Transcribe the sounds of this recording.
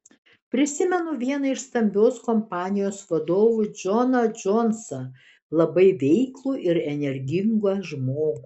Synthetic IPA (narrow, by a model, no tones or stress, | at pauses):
pʲɾʲɪsʲɪmʲɛnʊʋʲiɛnɐɪʃst̪ɐmʲbʲoːskɔmpɑːnʲɪjoːsʋɐd̪oːʋʊd͡ʒʲɔnɐd͡ʒɔnsɐ | lˠɐbɐɪʋʲɛɪklˠuːʔɪɾɛnʲɛɾʲɡʲɪŋɡɐʒmoːɡu